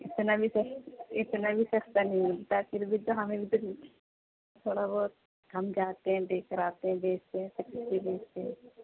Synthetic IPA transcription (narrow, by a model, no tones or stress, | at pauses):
ɪt̪nabʱisɐkɪt̪nabʱisɐkʰt̪aniɡt̪akiɾbʱit̪oɦɐmẽbʱit̪oki | t̪ʰoːɽabɔːt̪̚ | ɦɐmd͡ʒaːt̪eɦɛ̃ɖeːkəɾaːt̪eɦɛ̃beːst̪eɦɛ̃sɐktibeːst̪eɦɛ̃